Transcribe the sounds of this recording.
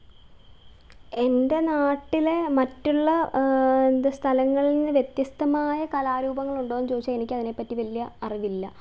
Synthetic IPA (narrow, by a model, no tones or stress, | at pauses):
e̞nde̞naːʈːile̞mɐtːuɭːɐend̪ɨst̪ʰɐlɐŋːɐɭininːɨʋje̞t̪jɐst̪ʰɐmaːjɐkɐlaːɾuːbɐŋːɐɭuɳɖoːnːɨt͡ɕo̞ːðit͡ɕːɐenikʲːɐðine̞pːɐtːiʋɐlːijɐɐriʋilːɐ